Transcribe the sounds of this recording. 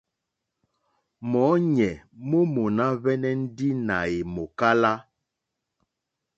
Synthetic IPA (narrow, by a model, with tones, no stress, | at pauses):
mɔ˨˦ɲɛ˨mo˦mo˨na˦βɛ˦nɛ˦n̩˦di˦na˨e˨mo˨ka˦la˦